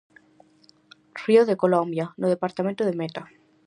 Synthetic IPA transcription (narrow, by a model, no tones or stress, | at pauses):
r̥ioðekolombjanoð̞epaɾt̪amẽnt̪oðemet̪a